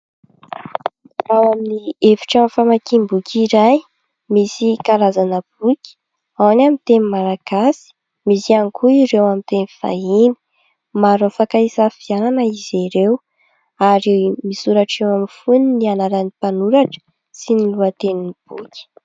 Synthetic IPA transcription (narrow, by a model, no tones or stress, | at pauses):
rawaminiefi̥ʈ͡ʂamfamakimbukʰʲiɾaj | misikaɾazanəb̥ukʲi̥ | awnamint̪enimaɾaɡ̥asi̥ | misianikʰuiɾewamint̪enifa̰ini̥ | maɾofakaisafiananəiziɾew | aɾimisuɾaʈ͡ʂewamifuninianaɾanipanuɾaʈ͡ʂə̥ | siniluat̪eninib̥ṵkʲ